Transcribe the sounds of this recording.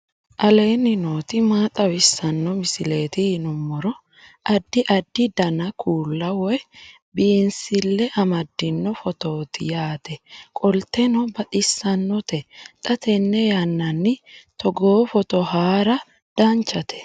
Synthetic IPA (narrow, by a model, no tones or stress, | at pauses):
ʔɐle̞ːnːɪnoːt̪ɪmaːt̪ʼɐwɪsːɐnːɔmɪsɪle̞ːt̪ɪhɪnʊmːɔɾɔ | ʔɐd̪ːɪʔɐd̪ːɪd̪ɐnɐkʰuːlːɐwɔj | biːnsɪlːɛʔɐmɐd̪ːɪnːɔfɔt̪oːt̪ɪjaːt̪ɛkʼɔlt̪ɛnɔbɐt̪ʼɪsːɐnːɔt̪ɛt̪ʼɐt̪ɛnːɛjanːɐnːɪt̪ɔɡoːfɔt̪ɔhaːɾɐ | d̪̥ant͡ʃːɐt̪ʰɛ̥